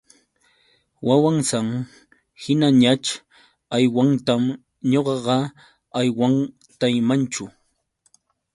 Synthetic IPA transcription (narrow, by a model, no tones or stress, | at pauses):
wawaŋsaŋ | hɪnaɲat͡ʃ | ajwaŋt̪am | ɲoɢɑɢɑ | ajwaŋ | t̪ajmant͡ʃʊ